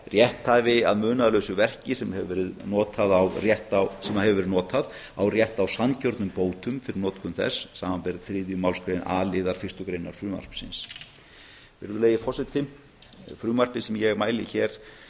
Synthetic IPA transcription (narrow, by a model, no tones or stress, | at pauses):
rjɛht̪havɪa̰ðmʏːnaðlœːɥsʏvɛr̥cɪsɛmɛvvɛːɾɪðnɔːt̪ʰaðawrjɛht̪asɛmaɦɛvʏvɛɾnɔːt̪að | awrjɛht̪awsancɔɾt̪nʏmpoːwt̪ʏmfɪɾɪɾnɔːt̪kʰʏmθɛ̰sːaːmampɛɾðθɾɪːðjʏmawlskɾejna̰ːlɪðaɾ̥fɪst̪ʏkɾejnaɾ̥fɾʏːma̰r̥psɪ̰ns | vɪ̰ɾðʏleːjðɪfɔ̥sɪt̪ɪ | fɾʏːmar̥pɪsɛmjɛɣmaːjlɪçɛːɾ̥